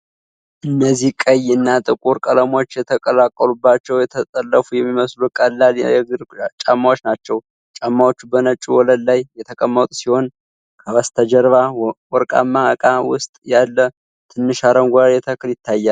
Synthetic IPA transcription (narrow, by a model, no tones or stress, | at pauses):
ʔɨnːəzːihkʼəjːɨnːat̪ʼɨkʼuɾkʼələmo̞t͡ʃːjɛt̪ʰəkʼəlakʼːəlubːat͡ʃːɛwjɛt̪ʰət̪ʼəlːəfujɛmːiməslukʼəlːalɛɡɨɾt͡ʃʼamːawot͡ʃːnat͡ʃːɛw | t͡ʃʼamːawo̞t͡ʃːubənət͡ʃʼːuwɔləllajːɛt̪ʰəkʼəmːət̪ʼusiho̞n | kʰəβəst̪ʰəd͡ʒəɾβawɔɾkʼa̰mːakʼawʊst̪ʼjalːə | t̪ʰɨnːɨʃaɾəmɡʷaɾɛt̪ʰəkʰɨljɪt̪ːajːal